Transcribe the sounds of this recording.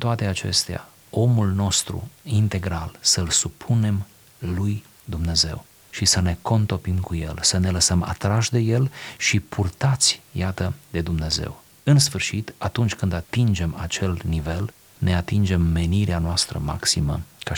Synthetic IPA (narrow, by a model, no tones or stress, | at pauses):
t̪oat̪e̞at͡ʃe̞̰st̪ea̰ | o̞mulno̞st̪ɾṵint̪e̞ɡɾalsəlsupʰune̞m | luj | d̪umne̞ze̞̰w | ʃisəne̞ko̞nt̪o̞pimkuje̞̰lsəne̞ləsəma̰t̪ɾaʃd̪e̞je̞lʃipʰurt̪at̪sʲjat̪əd̪e̞d̪umne̞ze̞̰w | ɨnsfɨrʃit̪at̪unt͡ʃʲkɨnd̪at̪ind͡ʒe̞mat͡ʃe̞lnive̞l | ne̞at̪ind͡ʒe̞mːe̞niɾeanoast̪ɾə̰ma̰ksimə̰ka